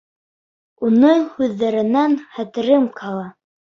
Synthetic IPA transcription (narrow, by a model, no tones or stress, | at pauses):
unɤhʉðːæɾɘ̆nænχæt̪ɘ̆ɾɘmkʰɑlˠɑ